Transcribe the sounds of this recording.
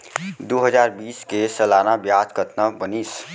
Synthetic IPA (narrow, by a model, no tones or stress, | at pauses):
d̪oːɦəzaːɾbiːskesəlaːnabjad̪kət̪nəbəniːs